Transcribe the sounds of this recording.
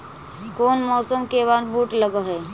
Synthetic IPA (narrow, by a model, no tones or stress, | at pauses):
koːnmɔːsəmkeʋanbuʈləɡəɦɛ